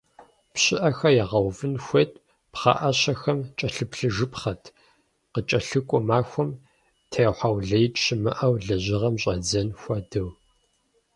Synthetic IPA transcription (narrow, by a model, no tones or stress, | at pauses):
pɕɪʔɐxɐjaʁɐwvɨnxʷet̚ʰʼ | pχɑ̰ːʔɐɕɐxɐmt͡ʃʼɐɬɨpɬɨʒɨpχɐtʰ | qət͡ʃʼɐɬɨkʷʼɔmaːxʷɔm | tʰejwħawɮɐjtʼʃɪmɨʔɐwɮɐʑɪʁɐmɕʼɐd͡zɐnxʷɐdɨw